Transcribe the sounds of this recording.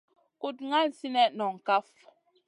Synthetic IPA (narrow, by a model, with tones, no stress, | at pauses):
ku˦t̚ŋa˦n˨si˦nɛ˦nɔ˨ŋ̩˨ka˦f